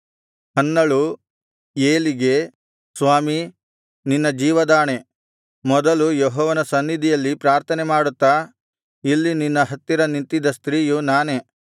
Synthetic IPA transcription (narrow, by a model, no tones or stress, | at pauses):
hɐnːɐɭu | eːliɡe̞ | sʋaːmi | ninːɐd͡ʒiːʋɐd̪aːne̞ | mɔd̪ɐlujɔɦɔːʋɐnɐsɐnːid̪ʱijɐlːipɾaːɾt̪ʰɐnemaːɽut̪ːa | ilːininːɐɦɐt̪ːiɾɐnint̪id̪ɐst̪ɾiːjunaːne̞